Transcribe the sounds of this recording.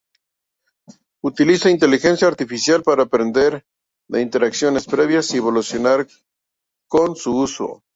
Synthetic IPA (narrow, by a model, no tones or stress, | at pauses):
ut̪ilisaint̪e̞lixe̞nsjaːɾt̪ifisjalpaɾaːpɾe̞nd̪e̞ɾ | ðeint̪e̞ɾaksjo̞ne̞spɾe̞βjasiβo̞lusjo̞naɾ | ko̞nsuuso̰